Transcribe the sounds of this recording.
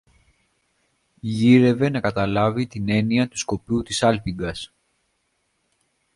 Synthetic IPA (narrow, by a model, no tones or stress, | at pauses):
ʝiɾe̞ve̞nɐkɐt̪ɐlɐvit̪ine̞niɐt̪u̥sko̞put̪isɐlpiɡɐs